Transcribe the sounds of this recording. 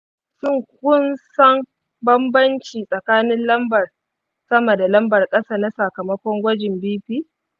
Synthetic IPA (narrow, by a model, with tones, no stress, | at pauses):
sʊ˦˨ŋk̚ʷʊ˦nsɐ˦ŋ | bɐ˦mbɐ˦nt͡ʃiː˨sʼɐ˨kaː˦nɪ˦nlɐ˦mbɐ˨r | sɐ˦mɐ˨da˨lɐ˦mbɐ˨rkʼɐ˦saː˦na˦sɐ˨kɐ˨mɐ˦kʷɔ˦ŋɡʷɐ˦d͡ʒɪ˨mbiː˦ɸiː˦